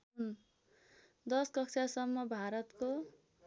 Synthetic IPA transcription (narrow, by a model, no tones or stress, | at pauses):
d̪ʌskʌksʰasʌmːʌbʱaɾʌt̪ko